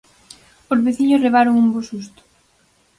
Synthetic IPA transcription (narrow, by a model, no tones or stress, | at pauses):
ozβeθiɲosreβaɾoŋumbosust̪ʊ̥